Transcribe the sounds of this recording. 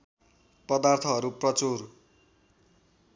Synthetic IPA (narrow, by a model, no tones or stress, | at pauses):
pʌd̪art̪ʰʌɦʌɾuprʌt͡sor